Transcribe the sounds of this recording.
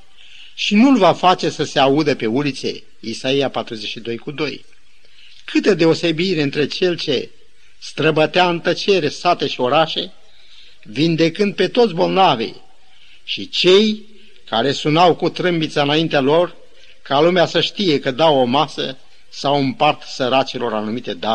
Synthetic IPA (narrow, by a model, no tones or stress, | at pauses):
ʃinulvafat͡ʃe̞səse̞aud̪əpe̞ulit̪se̞̰ | isaijapat̪ɾuze̞ʃid̪o̞jkud̪o̞j | kʰɨt̪ed̪e̞o̞se̞biɾe̞ɨnt̪ɾe̞t͡ʃe̞lt͡ʃe̞ | st̪ɾəbət̪eaɨnt̪ət͡ʃe̞ɾe̞sat̪e̞ʃio̞ɾaʃe̞ | vind̪e̞kɨnd̪̚pe̞t̪o̞t̪sʲbo̞lnavḛj | ʃit͡ʃe̞j | kaɾe̞sunawkut̪ɾɨmbit̪səɨnaint̪ealo̞r | kalumeasəʃt̪ije̞kəd̪awo̞masə̰ | sawɨmpart̪səɾat͡ʃelo̞ɾanumit̪e̞d̪a